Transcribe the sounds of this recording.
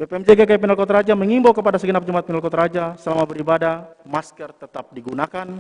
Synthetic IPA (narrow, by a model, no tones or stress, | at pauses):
bepeɛmd͡ʒeɡakajapɛnəlkɔt̪ɾad͡ʒaməŋimbokəpadasəɡənap̚d͡ʒumat̪̚pɛnəlkɔt̪ɾad͡ʒasəlamabəɾibadamaskərt̪ət̪ap̚diɡunakan